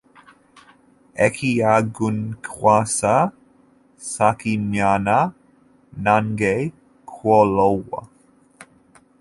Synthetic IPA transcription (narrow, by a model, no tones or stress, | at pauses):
ɛkʰiaɡunkʰwasə | sakimjanə | nanɡe | kʰwolowə̰